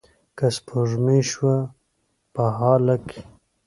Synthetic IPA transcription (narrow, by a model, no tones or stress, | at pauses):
kaspʰoʐmiʃwa | paɦɑːlakʰi̥